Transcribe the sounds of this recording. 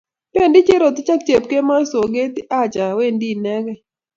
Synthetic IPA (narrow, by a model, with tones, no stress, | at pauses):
pe˦˨ndɪ˦t͡ʃe˦ɾo˨t̪ɪ˦t͡ʃa˦kt͡ʃe˨p̚ke˦ma˦so˨ɡe˦t̪i˦a˦t͡ʃa˨we˦ndi˦nɛ˦ɡɛ˦